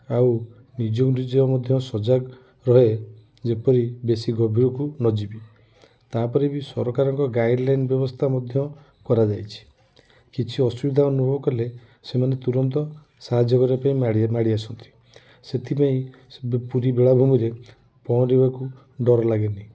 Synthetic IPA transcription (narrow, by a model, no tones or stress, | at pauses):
aw | nid͡ʒoknid͡ʒɔɔmɔd̪ʱjɔsɔd͡ʒaɡ | ɾɔɦe | d͡ʒepɔɾibesiɡɔbʱiɾɔkunɔd͡ʒibi | t̪apɔɾibisɔɾɔkaɾɔŋkɔɡajɖlajnbjɔbɔst̪ʰamɔd̪ʱjɔ | kɔɾad͡ʒajt͡ʃʰi̥ | kit͡ʃʰiɔsubid̪ʱaɔnubʱɔbɔkɔle | semanet̪uɾɔnt̪ɔ | saɦad͡ʒjɔkɔɾiapaĩmaɽiasɔnt̪ʰi̥ | set̪ʰipaĩ | puɾibeɭabʱumiɾe | pɔɽ̃ɔɾibaku | ɖɔɾɔlaɡeni